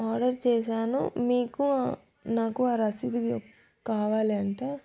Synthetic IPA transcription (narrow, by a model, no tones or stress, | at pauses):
aːɾɖɐɾt͡ʃɛːʃaːnṵmiːku | naːkuaːɾɐsid̪ik | kaːʋaːliɐɳʈeː